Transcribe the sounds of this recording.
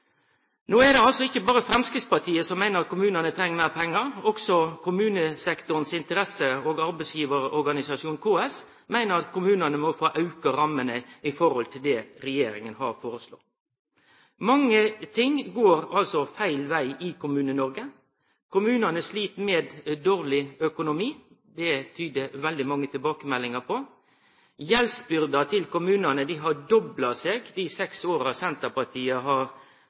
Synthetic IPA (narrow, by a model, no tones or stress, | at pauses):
noːɛd̪ɛɑlsɔɪçːəbɑːɾəfɾɛmskɾɪːt̪spɑt̪ʰiːəsɔmːæɪnəɾɑt̪̚kʊmʉːnənət̪ʰɾɛŋːmæɪʁpʰɛŋːɑɾɔksɔkʰʊmʉːnəsɛkt̪ʊənsɪnt̪əɾɛsəoːɡɑɾbɛɪsjiːʋəɾɔɾɡɑnɪsɑʂuːnkʰoːɛs | mæɪnəɾɑt̪kʰʊmʉːnənəmɔfoːʔɑʉkəɾɑmːənəɪfɔɾɔlt̪ʰɪld̪ɛːɾɛjeːɾɪŋənhɑ̰ɾfoːɾəslo̰ː | mɑŋːət̪ʰɪŋɡoːɾɑlsɔfæɪlʋæɪɪkʰʊmʉːnənɔɾɡə | kʊmʉːnɑnəsliːt̪meːd̪d̪oːɾlɪœkʊnʊmiː | d̪ɛt̪ʰyːd̪əʋɛld̪ɪmɑŋːət̪ʰɪlbɑːkəmɛlːɪŋəpʰɔ | jɛlsbʏɾd̪ɑt̪ʰɪlkʊmʉːnɑnəd̪ɪɦɑɖɔblɑseːɡd̪ɪsɛksoːɾɑsɛnt̪əpɑt̪ʰiːɑɦɑɾ